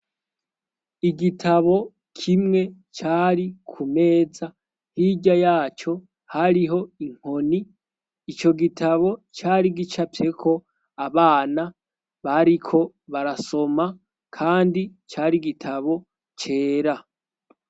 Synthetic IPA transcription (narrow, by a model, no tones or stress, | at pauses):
iɡitʰaβo̞ | kʰimŋe̞ | t͡ʃaːɾikʰume̞ːza | hiɟajaːt͡ʃo̞ | haɾiɦo̞iŋ̥ho̞niː | t͡ʃo̞ɡitʰaβo̞t͡ʃaːɾiɡit͡ʃapje̞kʰo̞ | aβaːna | βaɾikʰo̞ | βaɾaso̞ma | kʰaːndit͡ʃaːɾiɡitʰaβo̞ | t͡ʃe̞ːɾa